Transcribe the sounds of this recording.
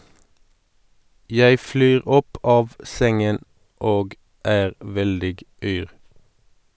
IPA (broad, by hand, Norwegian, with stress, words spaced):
ˈjæɪ ˈflyːʁ ˈɔp ˈɑːʋ ˈsɛŋən ˈoːɡ ˈæːʁ ˈʋɛldɪɡ ˈyːʁ